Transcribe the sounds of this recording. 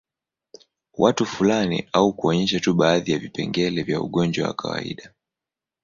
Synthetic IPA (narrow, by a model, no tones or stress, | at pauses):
wʔatufulanḭaukuɔɲɛʃatuɓaːðijavipɛŋɡɛlɛvja̰ṵɠɔnd͡ʒwawa̰kʰawa̰ḭɗa